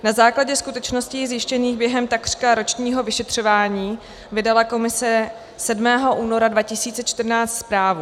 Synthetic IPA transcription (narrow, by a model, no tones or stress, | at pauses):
nazaːklaɟɛskut̪ɛt͡ʃno̞scizjɪʃcɛniːxbjɛɦɛmt̪akr̥kaɾo̞t͡ʃɲiːɦo̞vɪʃɛt̪r̝̥o̞vaːɲiː | vɪdalako̞mɪsɛ | sɛdmɛːɦo̞ʔuːno̞ɾadvacɪsiːt͡sɛt͡ʃt̪rnaːt͡st̪spɾaːvu